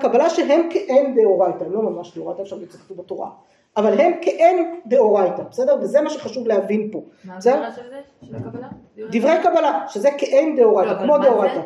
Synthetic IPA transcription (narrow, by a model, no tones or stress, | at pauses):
kabalaʃeɦe̞mkeʔendeoʁajtaemlo̞mamaʃdeoʁajt̪aefʃavit͡ssiχḁt̪ubetoʁa̰ | avalɦe̞mkeʔendeoʁajtabesedeʁvezemaʃeχaʃuvleɦavinpo̞besede | d̪ivʁejakabalaʃezekeʔend̪eoʁajtakmo̞deoʁajta